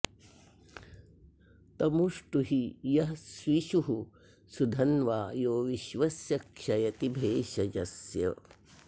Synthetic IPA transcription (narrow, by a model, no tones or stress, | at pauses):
t̪ɐmuʂʈuɦijɐɦsʋiʃuɦu | sud̪ʱɐnʋaːjoːʋiʃʋɐsjɐkʂɐjɐt̪ibʱeːʃɐd͡ʒɐsjɐ̰